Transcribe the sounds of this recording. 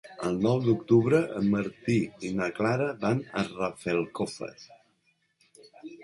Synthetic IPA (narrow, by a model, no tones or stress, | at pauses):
əlˠnɔwd̪ukt̪uβɾəʔəməɾt̪iinaklaɾəbanə̰rafɛlˠkofə̰s